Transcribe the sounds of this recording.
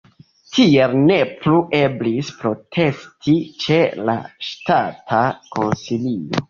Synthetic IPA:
tʰie̞lne̞pluʔe̞blispɾo̞tʰe̞stʰit͡ʃe̞la̰ʃtatʰako̞̰nsilio

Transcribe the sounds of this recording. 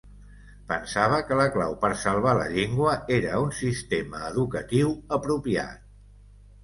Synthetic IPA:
pənsaβ̞əkələklawpəɾsəlˠβ̞alə̰ʎeŋɡwəeɾəunsist̪eməːðukət̪iwəpɾupia̰t̪̚

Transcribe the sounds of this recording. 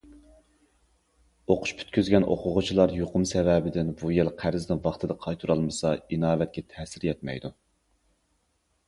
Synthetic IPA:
oqʰʊ̥ʃpʰy̥t̪kʲyzɡʲɛnʔo̰qʰʊʁʊt͡ʃʰilˠɑɾjoqʰʊmsɛvɛbɪd̪ɪnbujelqʰæɾɪznɪvɑχt̪ʰɨd̪ɑqʰɑjt̪ʰuɾɑlˠmɨsɑinɑːvɛt̪̚kʲʰɛt̪ʰɛːsɪɾjɛt̪mɛ̰jd̪u

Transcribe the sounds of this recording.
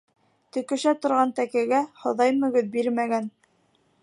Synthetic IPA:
t̪ɵ̆kɘ̆ʃæt̪ŏɾʁɑnt̪ækæɡæhŏðɑjmɵ̆ɡɵðbiɾmæɡæn

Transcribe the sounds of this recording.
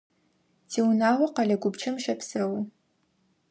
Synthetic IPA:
tʰiːwnaːwɐqɐɮɐɡʷʊbt͡ʃʰɐmʃɐpsɐwʊ

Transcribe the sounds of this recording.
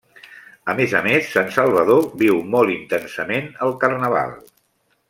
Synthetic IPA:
əmezəmesːansəlˠβ̞əðoβiwmɔlˠint̪ɛnsəmenəlˠkərnəβ̞a̰lˠ

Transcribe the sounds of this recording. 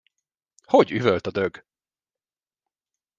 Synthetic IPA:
hoɟyvølt̪ɒd̪øɡ

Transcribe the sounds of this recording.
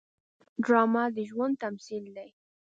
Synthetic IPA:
ɖɾɑmad̪əʒwand̪̚t̪amsild̪aj

